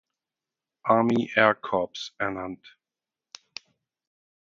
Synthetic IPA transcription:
ʔaːmiʔɛɐkʰɔpsɛnãnt

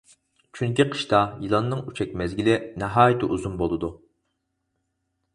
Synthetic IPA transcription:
t͡ʃʰyŋkʲiqʰə̥ʃt̪ɑjilˠɑnːɨŋyt͡ʃʰɛk̚ʲmɛzɡʲilɪnɛɦɑːjt̪ʰɪʔuzunbolˠɨd̪u

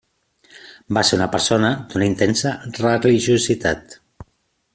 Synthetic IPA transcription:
baseɾunəpəɾsonəd̪̥unaint̪ensərəliʒuzit̪at̪

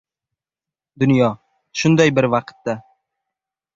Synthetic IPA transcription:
d̪ʊnjɒ | ʃʊnd̪ajbɪɾvɑqt̪ːa

